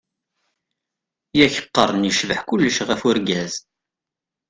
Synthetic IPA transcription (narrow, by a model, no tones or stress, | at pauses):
jæçə̥qːə̰rˤnjəʃvəħkulːəʃʁæfʊɾɡæz